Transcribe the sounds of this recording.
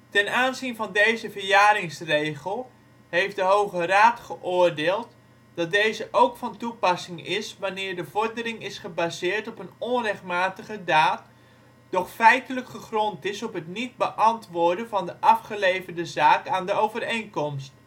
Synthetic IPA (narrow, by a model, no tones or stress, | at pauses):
tɛnaːnzinvɑndejzəvərjaːɾɪŋsrejχəlˠ | hejfdəɦowχəraːtχəʔʊːɹdeːlˠt | d̥ɑt̚dejzəʔowkfɑntupɑsɪŋɪsʋanɪːɹdəvɔɹdərɪŋɪsχəbazɪːɹtɔpənɔnrɛχt̚maːtəɣədaːt̚ | d̥ɔχfɛjtələkχəχrɔntɪsɔpɦətnid̚bəʔɑntʋʊːɹdənvɑndəʔɑfχəlejvərdəzaːkaːndəowvərejŋkɔmst